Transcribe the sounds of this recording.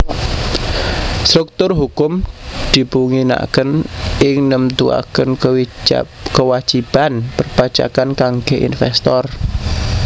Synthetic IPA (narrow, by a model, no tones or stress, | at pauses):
st̪ɾʊk̚t̪ʊrɦukʊmd̪̥i̤puŋina̰kənʔɪŋnəmt̪ua̰kənkəw̰ | kəwḁd͡ʒ̥ib̥anpərpḁd͡ʒ̥a̰kankaŋɡeʔḭnfɛst̪ɔr